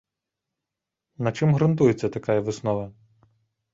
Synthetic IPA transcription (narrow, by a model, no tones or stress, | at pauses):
nɐt͡ʃɪmɦɾɐnt̪ujet͡sʲːɐt̪ɐkajɐʋɪsnɔʋɐ